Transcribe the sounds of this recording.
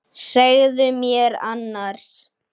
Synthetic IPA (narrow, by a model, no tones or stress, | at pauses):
seɣðʏmjɛɾanːaɾ̥s